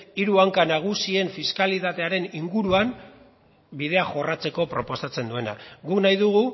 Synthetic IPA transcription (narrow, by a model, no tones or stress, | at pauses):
iɾuaŋkanaɣ̞usie̞ɱfiskalit̪at̪e̞aɾe̞niŋɡuɾuam | bið̞e̞aʝo̞rat͡se̞ko̞pɾo̞po̞sat͡se̞nd̪ue̞na̰ɡuknajðuɣ̞u